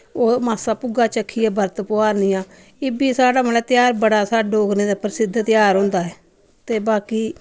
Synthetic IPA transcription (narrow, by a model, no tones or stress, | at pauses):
oːmaːsaːpʊɡaːt͡ʃəkʰːiːɛːbəɾt̪poːaːɾniːjãː | ɪbiːsaːɽaːməlɛːt̪jaːɾbəɽaːsaːɖoːknẽːd̪aːpəɾsɪd̪t̪jaːɾɦõːnd̪aːɦɛː | t̪eːbaːkiː